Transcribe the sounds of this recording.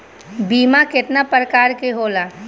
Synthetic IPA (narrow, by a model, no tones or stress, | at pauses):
biːmakɪt̪napɾəkaːɾkeɦoːlaː